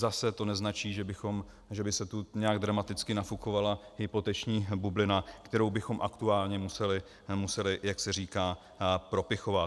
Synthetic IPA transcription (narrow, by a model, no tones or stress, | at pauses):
zasɛt̪o̞nɛznat͡ʃiːʒɛbɪxo̞m | ʒɛbɪsɛt̪uɲɛaɡd̪ɾamat̪ɪt͡skɪnafukovalaɦɪpo̞t̪ɛt͡ʃɲiːbublɪnakt̪ɛɾowbɪxo̞mʔakt̪uaːlɲɛmusɛlɪ | musɛlɪjaksɛɾiːkaː | pɾo̞pɪxo̞vat̪